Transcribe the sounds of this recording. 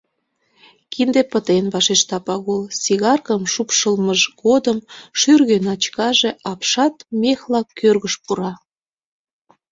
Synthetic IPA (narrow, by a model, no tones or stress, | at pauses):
kind̪epət̪enβɑʃeʃt̪ɑpɑɣulsiɣɑrkəmʃupʃəlməʒɣod̪əmʃyrɣønɑt͡ɕkɑʒeɑpʃɑt̪mexlɑkːørɣəʃpuɾɑ